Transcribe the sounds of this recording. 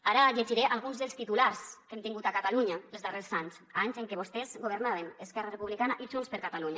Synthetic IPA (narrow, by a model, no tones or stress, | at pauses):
aɾaʎeʒiɾeʔalˠɣ̞unzðelˠst̪it̪ulaɾskemt̪iŋɡut̪akat̪aluɲaelˠzðareɾzaɲsaɲzeŋkeβ̞ost̪ezɡoβ̞eɾnaβeneskɛrarepuβlikanaʔiʒunspeɾkat̪aluɲa